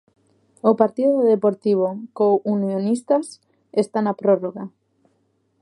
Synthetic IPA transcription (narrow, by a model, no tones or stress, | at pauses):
opaɾt̪iðoðepoɾt̪iβ̞okowunjonist̪as | est̪anapɾoroɣa